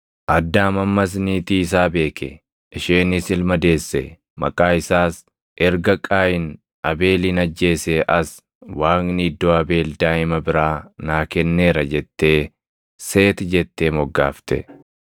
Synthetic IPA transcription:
ʔɐd̪ːaːmɐmːɐs̬niːt̪iːɪs̬aːbe̞ːkʰɛ̰ | ɪʃeːnɪsɪlmɐd̪e̞ːsːɛ̰ | mɐ̰kʼaːɪsaːs | ʔɛɾɡɐkʼaːjɪn | ɐbe̞ːliːnɐd͡ʒːe̞ːsɛʔɐs | waːnnid̪ːoːɐbe̞ːld̪aːɪmɐbɪɾaːnaːkɛnːe̞ːɾɐd͡ʒɛt̪ːe̞ː | seːt̪d͡ʒɛt̪ːeːmɔɡːaːft̪ɛ̰

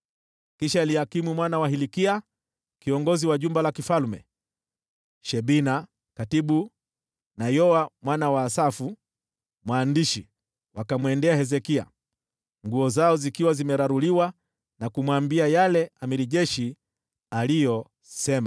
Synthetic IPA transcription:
kiʃaːlihakimumwanawaɦilikia | kiɔŋɡɔziwaʄumbalakifalmɛ̰ | ʃɛbina | katiɓu | najɔamwanawaːsafu | mwaːndiʃi | wakamwɛndɛahɛzɛkia̰ | ŋɡuɔzaɔzikiwazimɛɾaɾuliwa | nakumwambiajalɛamiɾiʄɛʃi | alijɔ | sɛma

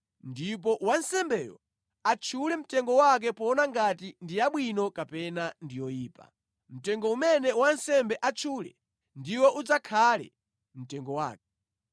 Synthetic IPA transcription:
ndip̬ɔʔwansɛmbɛːjɔ̰ | at͡ʃʰulɛm̩tɛŋɡɔwak̬ɛpɔnaŋɡatindijaɓwinɔkapɛnandijɔjiːpa̰ | m̩tɛŋɡɔumɛnɛwansɛmbɛʔat͡ʃʰulɛ̰ | ndiwɛʔud͡zakʰalɛ̰ | m̩tɛŋɡɔwa̰ːkɛ

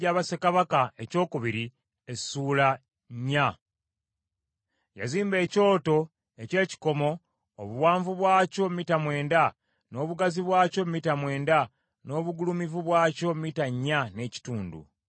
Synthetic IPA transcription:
aːβasekaβakae̞co̞ːkuβiɾi | esuːla | ɲːa | ja̰ziːmbe̞ːco̞ːto̞ | e̞ce̞ːci̥ko̞mo̞ː | βuwaːɱvuβwaːco̞mitamwe̞ːnda | no̞ːβuɡaziβwaːco̞mitamwe̞ːnda | no̞ːβuɡulumivuβwaːco̞mitaɲːane̞ːci̥tuːndṵ

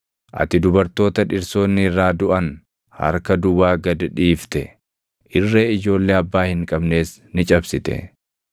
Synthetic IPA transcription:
ʔɐ̰t̪ɪd̪ʊbɐɾt̪o̞ːt̪ɐᶑɪɾso̞ːnːɪɪrːaːd̪ʊʔɐn | hɐ̰ɾkɐd̪ʊwaːɡɐd̪ᶑiːft̪ɛ̰ | ʔɪrːe̞ːɪd͡ʒo̞ːlːeːɐbːaːhɪŋkʼɐbne̞ːsnɪt͡ʃʼɐbsɪt̪ɛ̰

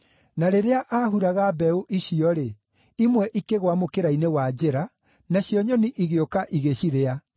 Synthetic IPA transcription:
naɾeɾeaʔaːɦuɾaɣabɛuʔiɕiɔɾe | imwɛʔikeɣwamokeɾainewad͡ʑeɾa | naɕjɔɲɔniʔiɣeokaʔiɣeɕiɾea

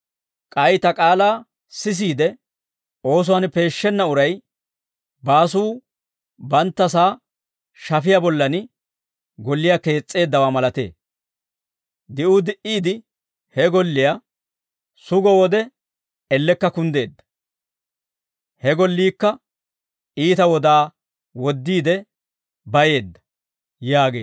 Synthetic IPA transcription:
kʼɐjt̪ɐkʼaːlaː | sɪs̬iːd̪ɛ | o̞ːs̬ʊwɐnpe̞ːʃːɛnːɐʊɾɐj | baːsuː | bɐnt̪ːɐsaː | ʃɐfɪjabɔlːɐnɪ | ɡɔlːɪjake̞ːt͡sʼːe̞ːd̪ːɐwaːmɐlɐt̪e̞̰ː | d̪ɪʔʊd̪ɪʔiːd̪ɪ | hɛɡɔlːɪja | sʊɡɔwɔd̪ɛ | ɛlːɛkːɐkʊnd̪e̞ːd̪ːɐ̥ | hɛɡɔlːiːkːɐ | iːt̪ɐwɔd̪aː | wɔd̪ːiːd̪ɛ | bɐje̞ːd̪ːɐ̥ | jaːɡe̞̰ː

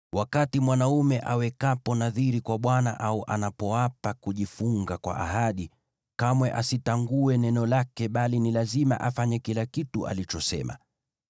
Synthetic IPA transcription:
wakatimwanaumɛʔawɛkapɔnaðiɾikwaɓwana̰ʔauʔanapɔwapakuʄifuŋɡakwa̰ʔahaɗi | kamwɛʔasitaŋɡuɛnɛnɔlakɛɓalinilazima̰ʔafaɲɛkilakituʔa̰lit͡ʃɔsɛ̰ma̰

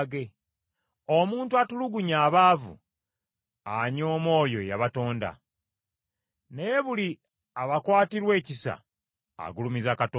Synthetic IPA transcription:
ɡe̞ | omuːntuatuluɡuɲaːβaːvṵ | aɲo̞ːmo̞ːjo̞jaβato̞ːnda̰ | nejβuli | aβakwaːtiɾwe̞ːcisa̰ː | ɡulumizakato

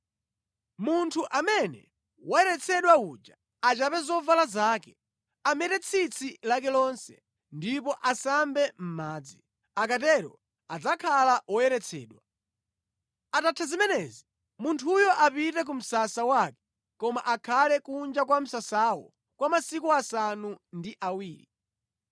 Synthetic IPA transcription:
muntʰuʔamɛnɛ̰ | wajɛɾɛt͡sʰɛɗwaud͡ʒa | at͡ʃapɛzɔvalazaːkɛ | amɛɾɛt͡sʰit͡sʰilak̬ɛlɔnsɛ̰ | ndipɔʔasambɛm̩maːd͡zi | akatɛɾɔ | ad͡zakʰalawɔjɛɾɛt͡sʰɛ̰ːɗwa | atatʰazimɛnɛzi | muntʰujɔʔapitɛk̬um̩sasawakɛ̥ | kɔma̰ʔakʰalɛkund͡ʒakwam̩sasawɔ̰ | kwamasikuasanundiʔawiːɾi

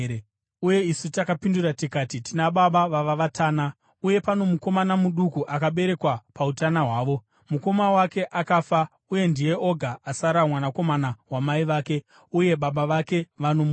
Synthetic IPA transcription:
uje̞isutakapinduratikaːtitinaɓaɓaʋaʋaʋatʰaːna | uje̞pano̞muko̞manamuɗukuʔakaɓe̞ɾe̞kwapautanaɦwaːʋo̞ | muko̞mawake̞ʔakaːfa | uje̞ndije̞o̞ɡʱaasaɾamwanako̞manaɦwamaiʋaːke̞ | uje̞ɓaɓaʋake̞ʋano̞mu

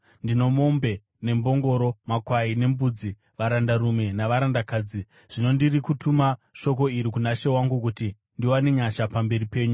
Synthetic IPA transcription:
ndino̞mo̞mbe̞ | ne̞mbo̞ŋɡo̞ɾo̞makwaine̞mbud͡zi | ʋaɾandaɾume̞naʋaɾandakaːd͡zi | ʐ̥ino̞ndirikutʰumaʃo̞k̬o̞iɾikunaʃe̞waŋɡukuti | ndiwane̞ɲaʃapambe̞ripe̞ːɲu

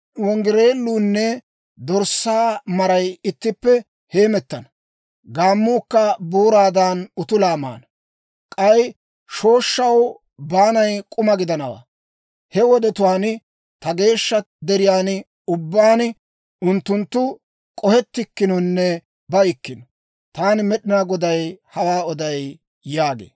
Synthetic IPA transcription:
wɔŋɡɪɾe̞ːlːuːnːɛ | d̪ɔɾsaːmɐɾɐjɪt̪ːɪpːɛ | he̞ːmɛt̪ːɐnɐ | ɡaːmːuːkːɐbuːɾaːd̪aːnʊt̪ʊlaːma̰ːnɐ | kʼɐj | ʃo̞ːʃːɐw | baːnɐjkʼʊmɐɡɪd̪ɐnɐwa̰ː | hɛwɔd̪ɛt̪ʊaːn | t̪ɐɡe̞ːʃːɐ | d̪ɛɾɪjaːn | ʊbːaːn | ʊnt̪ːʊnt̪ːʊ | kʼɔhɛt̪ːɪkːɪnɔnːɛ | bɐjɪkːɪnɔ | t̪aːnɪmɛɗɪnaːɡɔd̪ɐjhɐwaːɔd̪ɐj | jaːɡḛː

